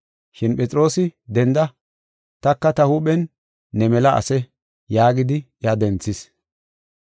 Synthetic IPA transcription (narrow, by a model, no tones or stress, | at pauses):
ʃɪnpʼɛt͡sʼɪɾo̞ːsɪd̪ɛnd̪ɐ | t̪ɐkːɐt̪ɐhuɓɛnː | ɛmɛlɐɐ̰sɛ | jaːɡɪd̪ɪ | jad̪ɛnt͡sːɪs